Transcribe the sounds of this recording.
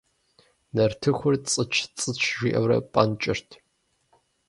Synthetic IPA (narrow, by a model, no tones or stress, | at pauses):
nɐrtʰɨxʷʊrt͡sʼɨt͡ʃʰt͡sʼɨt͡ʃʰʒʷiʔɐ̰wɾɐ̰pʼɐnt͡ʃʼɪrtʰ